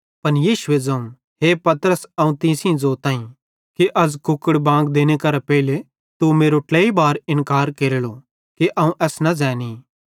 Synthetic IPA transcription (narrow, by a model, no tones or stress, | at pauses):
pɐnjiːʃʊed͡zɐ̃ũ | ɦeːpɐt̪əɾəsɐũt̪ɪ̃ːsĩzoːt̪ãːĩ | kiʔɐzkʊkːəɽbãːŋɡd̪eːñekɐɾapɛɪle | t̪umeːɾoʈleːibaːɾɪ̃nkaːɾkeːɾeːlo | kiʔɐũʔɛːsnɐzɛːniː